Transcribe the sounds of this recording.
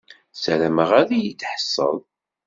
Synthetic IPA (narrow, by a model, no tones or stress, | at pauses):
sæɾæməʁæɾijit͡sːħə̥sˤːə̰ðˤ